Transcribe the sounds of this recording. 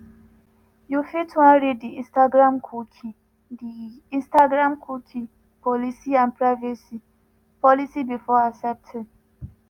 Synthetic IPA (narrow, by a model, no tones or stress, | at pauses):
jufitãnɹid̚diĩstaɡɹãmkʰukʰi | di | ĩnstaɡɾãmkʰukʰi | pɔlisiãnpɹaɪvisi | pɔlisibifɔasɛp̚tʰɛ̃